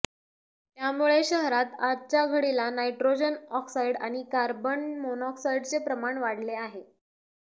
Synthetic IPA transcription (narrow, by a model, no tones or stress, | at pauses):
t̪jamuɭeɕəɦɾat̪adt͡ɕaɡʱəɽilanaiʈɾod͡ʑənɔksaiɽa̰ɽ̃ikaɾbənmonɔksajiɽt͡sepɾəmaɳʋaɽ̤leaɦe